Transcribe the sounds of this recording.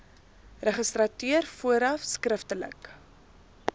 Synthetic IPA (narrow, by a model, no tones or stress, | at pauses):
rəχəstrɐtyərfuəɾɐfskrəftələ̰k